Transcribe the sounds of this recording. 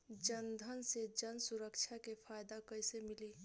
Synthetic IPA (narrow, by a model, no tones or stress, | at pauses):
d͡ʒənd̪ʱənsed͡ʒənsuɾəkt͡ʃʰakepʰaːjd̪akəjsemɪli